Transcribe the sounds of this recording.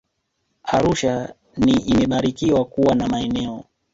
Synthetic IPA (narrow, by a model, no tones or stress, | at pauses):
aɾuʃa | niimɛɓaɾikiwakuwanamaɛnɛɔ